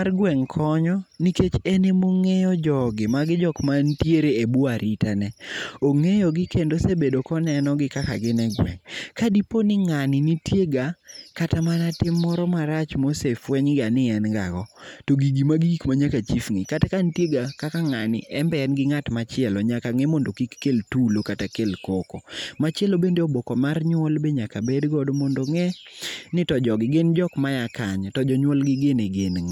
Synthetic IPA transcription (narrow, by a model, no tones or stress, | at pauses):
marɡwɛŋkʰɔɲɔniket͡ʃenemoŋejɔd͡ʒɔɡɪmaɡɪd͡ʒɔkmantjeɾeebuaɾʔitanɛoŋejɔɡɪkendosebedokɔnɛnɔɡɪkaka̰ɡɪnɛɡwɛ̰ŋkadiponɪŋanɪnitjeɡakatamanatɪmːɔɾɔmaɾat͡ʃmosefwɛɲɡanɪɛnɡa̰ɡɔtoɡiɡimaɡiikmaɲakat͡ʃifŋikatakantjeɡakakaŋanɪ̰ʔɛmbɛɛnɡɪŋatmat͡ʃɪɛlɔɲakaŋɛmɔndokikːeltulokatakelkokomat͡ʃɛlobendeɔbɔkɔmarɲwɔlbeɲakabedɡɔdmɔndoŋɛnɪtɔd͡ʒɔɡɪɡɪnd͡ʒɔkmajakaɲtɔd͡ʒɔɲwɔlɡɪɡeneɡenŋ